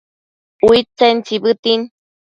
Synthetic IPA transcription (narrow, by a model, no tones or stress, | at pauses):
uit͡sent͡sibɨt̪in